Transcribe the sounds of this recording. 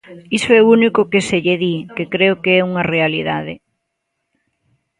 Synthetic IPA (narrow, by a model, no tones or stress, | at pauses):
isoɛounikʊkeseʎeðikekɾeokeɛuŋɐrealiða̰ðɪ